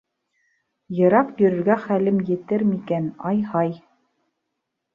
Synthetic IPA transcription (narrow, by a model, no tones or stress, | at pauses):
jɤ̆ɾɑqjɵ̆ɾɵ̆ɾɡæχælɘmjɘ̆t̪ɘɾmikænɑjhɑj